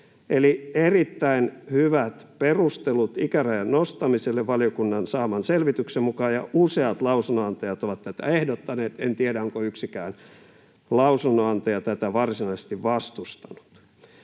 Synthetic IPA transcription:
elierit̪ːæinhyʋæt̪perust̪elut̪ikæræjɑnnost̪ɑmiselːeʋʋɑliokunːɑnsɑːmɑnselʋit̪yksemmukɑːjɑ̰ʔuseɑt̪lɑusunːoɑnt̪ɑjɑt̪oʋɑt̪t̪æt̪æ̰ehdot̪ːɑneːt̪ent̪ieɾæoŋkoyksikæːn | lɑusunːoɑnt̪ɑjɑt̪æt̪æʋɑrsinɑisest̪iʋʋɑst̪ust̪ɑ̥nu̥t̪

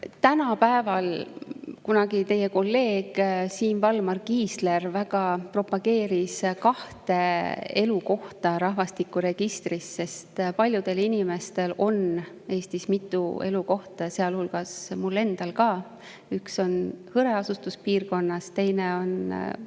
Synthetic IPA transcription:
t̪ænɑpæevɑl | kunɑɡit̪e̞jeko̞lːe̞ːɡ̥siːnvɑlmɑrɡiːsle̞rvæɡ̥ɑpro̞pɑɡe̞ːɾiskɑht̪e̞e̞luko̞ht̪ɑɾɑɦvɑst̪ikːˑuɾe̞ɡ̥ist̪risːe̞st̪pɑlʲjud̪̥e̞linime̞st̪e̞lo̞n | e̞ːst̪ismit̪ˑːue̞̰luko̞ht̪ɑse̞ɑlhulɡ̥ɑsmulːe̞nd̪̥ɑlkɑː | ykso̞nhɤɾe̞ɑsust̪uspiːrko̞nːɑst̪e̞jneo̞n

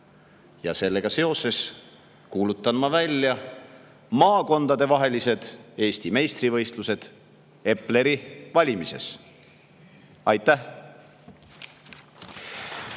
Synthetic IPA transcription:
jɑ̰se̞lːe̞ɡ̥ɑse̞o̞se̞s | kuːlut̪ːˑɑnmɑvælʲjɑ | mɑːko̞nd̪̥ɑd̪e̞vɑɦe̞lise̞d̪̥e̞ːst̪ime̞jst̪rivɤ̞jst̪luse̞d̪̥ | e̞pːˑle̞ɾivɑlʲimise̞̰s | ɑjt̪ːˑæh

